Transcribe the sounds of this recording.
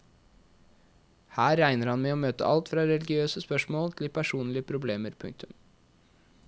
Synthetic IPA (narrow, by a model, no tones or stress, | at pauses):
hæːɾæɪnəɾhɑnmɛːoːmøːt̪ə̰ʔɑlt̪fɾɑːɾɛlɪɡɪøːsəspœʂmoːlt̪ʰlɪpʰæʂuːnlɪəpʰɾʊbleːməɾpʰʉŋk̚t̪ʉm